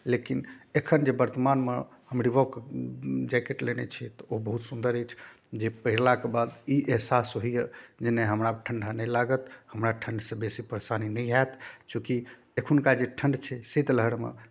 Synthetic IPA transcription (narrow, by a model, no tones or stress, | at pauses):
lekinekʰənd͡ʒebəɾt̪əmanmeɦəmɾibɔk | d͡ʒakeʈlenɛ̰t͡ʃʰɛt̪ɔobəɦut̪sund̪əɾət͡ʃʰ | d͡ʒepəɦiɾlakebad̪iʔeɦsasɦoijəd͡ʒeneɦəmɾaʈʰəɳɖʱanɛlaɡət̪həmɾaʈʰəɳɖsẽbesipəɾesaninɛjaet̪t͡ʃũki | ekʰunkad͡ʒeʈʰəɳɖt͡ʃʰɛsit̪ləɦɽmḛ